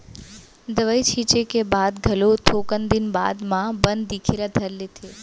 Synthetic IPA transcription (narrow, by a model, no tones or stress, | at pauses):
d̪əʋəjt͡ʃʰit͡ʃekebad̪ɡʱəlot̪ʰokənd̪inba̰d̪mãbənd̪ːikʰeɾad̪ʱəɾlet̪ʰe